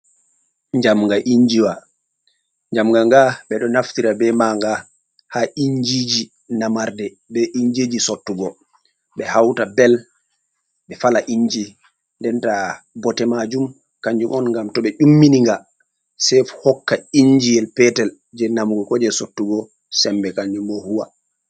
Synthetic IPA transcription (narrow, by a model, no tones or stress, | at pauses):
ɲd͡ʒamŋɡaʔiɲd͡ʒiwa | ɲd͡ʒamɡaŋɡaɓɛɗɔnaftiɾabɛmaŋɡa | haʔiɲd͡ʒid͡ʒi | namaɾdɛ | bɛʔiɲd͡ʒed͡ʒisotːuɡɔ | ɓɛhawtabɛl | ɓɛfalaʔiɲd͡ʒi | ndɛnta | bɔtɛmad͡ʒum | kaɲd͡ʒumɔnŋɡamtɔɓɛʔumːiniŋɡa | sɛfhɔkːaiɲd͡ʒijɛlpɛtɛl | d͡ʒɛnamɡɔkɔd͡ʒɛsotːuɡɔ | sɛmbɛkaɲd͡ʒumɔhuwa